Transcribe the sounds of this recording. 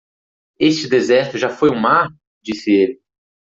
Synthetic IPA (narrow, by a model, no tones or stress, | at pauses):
est͡ʃɪd̪ezɛɾt̪ʊʒafojũmaɾ | d͡ʒisɪelɪ